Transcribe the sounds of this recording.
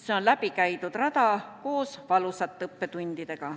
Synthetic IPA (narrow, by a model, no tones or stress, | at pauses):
seo̞nlæb̥ikæjt̪ud̪̥rɑd̪ɑko̞ːsvɑlusɑt̪ːˑɤpːe̞t̪unʲd̪̥id̪e̞ɡ̥ɑ